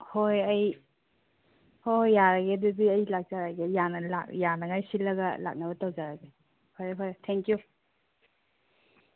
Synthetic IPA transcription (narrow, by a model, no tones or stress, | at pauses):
hojɐj | hojːaɾaɡedubiɐjlak̚zaɾaɡejanɐla̰kjanɐŋajsilːɐɡɐ̰la̰k̚nɐβɐtɐwzaɾaɡe | pʰaɾepʰaɾetʰɛŋkju